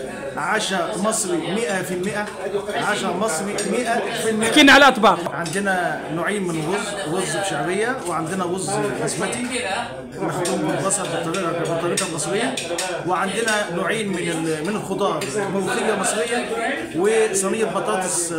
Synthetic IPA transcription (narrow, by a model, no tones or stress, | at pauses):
ʕaːʃæmɑsˤɾimɪʔæfilmɪʔæ | ʕaːʃæmɑsˤɾimɪʔæfilmɪʔiːnʕalæʔɑt̪bɑːɾʕand̪ɪnænoʕiːnmɪnɣʊzː | ɣʊzːbʃaʕbɪjːæwɪʕand̪ɪnæɣʊzːxæsmæt̪i | nɪxt̪ˤːɪmbɪlbɑsˤɑɾˤfɨt̪ˤːɑɾiːʔɑbɨt̪ˤːɑɾiːbɑlnɑsˤɾɪjːæ | wɪʕand̪ɪnænoʕiːnmɪnmɪnɪlxʊt̪ˤɑːɾˤmæwxɪjːɑmɨsˤɾɪjːæ | wɪsˤɑnijːɑt̪̚bɑt̪ˤɑːt̪ˤs